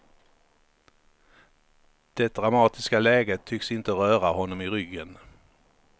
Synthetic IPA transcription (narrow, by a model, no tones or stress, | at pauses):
d̪̥ɛd̪ɾamɑːt̪ɪskalɛːɡət̪ʰːʏksɪnt̪əɾœːɾaɦɔnːɔmɪɾʏɡːən